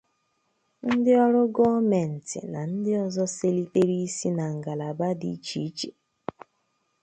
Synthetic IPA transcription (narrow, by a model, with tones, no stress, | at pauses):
n̩˦dɪ˦ɔ˦ɾʊ˦ɡɔ˦me˨n̩˨tɪ̰˨na˨n̩˦dɪ˦ɔ˨zɔ˦se˦li˦k͡pe˦ɾi˦si˦na˨ŋ̩˨ɡa˨la˨ba˦dḭ˦t͡ʃi˨˦t͡ʃe˨